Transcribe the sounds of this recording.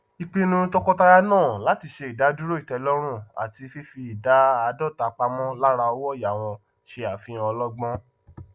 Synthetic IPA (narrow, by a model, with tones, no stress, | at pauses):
i˧k͡pĩ˦nũ˧˦tɔ˦kɔ˦ta˦˧ɾa˧nãː˦˨la˨˦ti˧ʃe˧i˨da˨˦du˦ɾo˦i˦˨tɛ˨˧lɔ˦ɾ̃ũ˦˨a̰˨ti˧fi˦fi˧i˨da˨˦a˧dɔ˦˨ta˨k͡pa˧mɔ̃˦la˦ɾa˧ɔ˧˦wɔ˦˨ja˨w̃ɔ̃˧ | ʃe˧a˨fĩ˨˦ɔ˧lɔ˦ɡ͡bɔ̃˦